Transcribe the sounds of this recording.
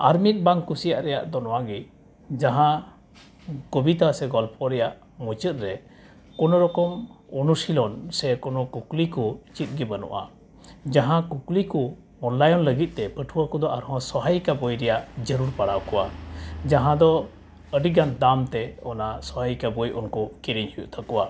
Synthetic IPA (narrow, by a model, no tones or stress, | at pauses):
aɾmit̪̚baŋkusijaʔɾɛjaʔd̪ɔnɔwaɡi | d͡ʒaɦã | kɔbit̪asɛɡɔlpʰɔɾɛjaʔ | mut͡ʃət̪̚ɾɛ | kɔnɔɾɔkɔm | ɔnusilɔnsɛkɔnɔkuklikɔt͡ʃit̪̚ˀɡɛbənɔ̰ʔa̰ | d͡ʒaɦãkuklikɔ | ɔnlajɔnləɡit̪̚ˀt̪ɛpəʈʰuwakɔd̪ɔʔaɾɦɔ̃sɔɦajkabɔjɾɛjaʔd͡ʒəɾuɾpaɽawkɔwad͡ʒaɦãd̪ɔ | əɖiɡand̪amt̪ɛɔnasɔɦajkabɔjʔunkɔkiɾiɲhujuʔt̪ʰakɔwa